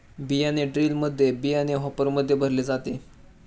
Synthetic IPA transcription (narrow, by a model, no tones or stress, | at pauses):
bijaneɖɾiːlməd̪ʱːjebijɛneɦɔpəɾməd̪ʱːjebʱəɾled͡zat̪e